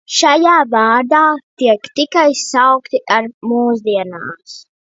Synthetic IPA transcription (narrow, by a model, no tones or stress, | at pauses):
ʃajaːvaːɾd̪aːt̪iɛkt̪ikajsawkt̪iʔaɾmuːzd̪iɛna̰ːs